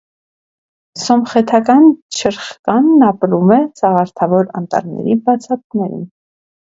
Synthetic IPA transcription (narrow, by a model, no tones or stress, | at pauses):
sɔmχɛt̪ʰɑkɑnt͡ʃʰəɾχkɑnːɑpɾumɛt͡sɑʁɑɾt̪ʰɑvɔɾɑ̰nt̪ɑ̰ɾnɛ̰ɾibɑt͡sʰɑt̪nɛɾḭn